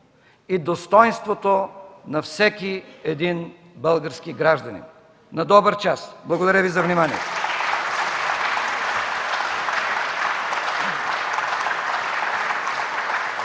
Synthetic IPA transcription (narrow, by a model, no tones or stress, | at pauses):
id̪ost̪ɔjnst̪vot̪onɐfsɛkiɛd̪in | bəlˠɡəɾskiɡɾaʒd̪ɐnḭn | nɐd̪ɔbəɾt͡ʃasblˠɐɡod̪ɐɾʲjəvizɐvnimaniɛ̰t̪o